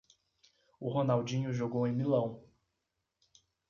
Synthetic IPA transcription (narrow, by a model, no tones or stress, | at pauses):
ʊɦonawd͡ʒĩɲʊʒoɡowẽj̃milɐ̃w̃